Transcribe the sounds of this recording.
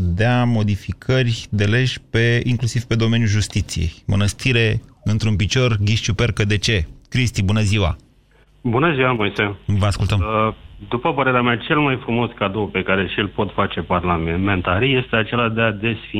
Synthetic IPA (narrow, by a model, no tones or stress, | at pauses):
d̪eamo̞d̪ifikʰərʲd̪e̞le̞ʒpeiŋklusiv̥pe̞d̪o̞me̞njulʒust̪it̪sije̞̰jmənəst̪ʰiɾe̞ɨnt̪ɾunpit͡ʃo̞rɡʲiʃt͡ʃupe̞rkəd̪e̞t͡ʃe̞kɾist̪ibunəziwa̰ | bunəziwamujsevəaskult̪əmd̪upəpəɾe̞ɾeamat͡ʃe̞lmajfɾumo̞skad̪o̞wpe̞kaɾe̞ʃilpo̞t̪fat͡ʃe̞parlamemẽ̞nt̪aɾije̞st̪eat͡ʃe̞lad̪ead̪e̞sfi